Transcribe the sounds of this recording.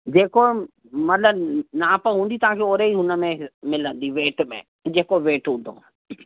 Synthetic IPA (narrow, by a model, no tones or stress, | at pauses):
d͡ʑeːko | mɐt̪ləbnaːpəɦũːnd̪it̪ɐɦãkʰeoːɾeiɦʊnəmẽmɪlə̃nd̪iʋeːʈmḛ̃ | d͡ʑeːkoʋeːʈʊ̃nd̪ʱo̰